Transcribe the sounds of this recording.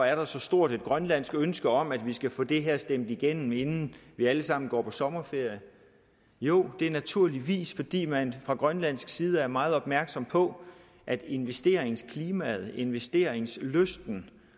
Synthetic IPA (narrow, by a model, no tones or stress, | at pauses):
æɐɾ̥ɑ̈sɒ̽sd̥o̝ɐ̰d̥ed̥̚ɡ̥ʁɶnlæn̰sɡ̥ønsɡ̥əɒ̽m̰æd̥ʋisɡ̥æfɔ̰̽ːd̥e̝ɦeɐ̰sd̥emd̥iɡ̥en̰m̩e̝nn̩ʋiæləsɑ̈m̰n̩ɡ̥ɒ̰ːpʰɒ̽sɒ̽mɐfe̝ɐ̰jə | jo̝ːd̥e̝æɐnæt͡sʰuɐ̰liʋḭːsfɒ̽d̥ḭːmænfʁɑ̈ɡ̥ʁɶnlæn̰sɡ̥siːð̞ˠəæɐmɑ̈ːð̞̩ˠɒ̽b̥̚mæɐɡ̥sɒ̽mpʰɒ̽ | ʔæd̥e̝nʋesd̥e̝̰ːɐeŋskʰliːmɛð̩ˠe̝nʋesd̥e̝̰ːɐeŋsløsd̥n̩